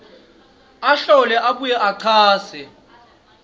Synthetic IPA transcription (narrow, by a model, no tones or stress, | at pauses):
aɬɔlɛʔaɓujɛʔaǃʰaːsɛ